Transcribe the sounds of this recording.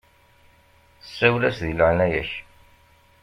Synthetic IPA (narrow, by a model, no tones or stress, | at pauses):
sːæwlæsðiləʕnæjæ̰ç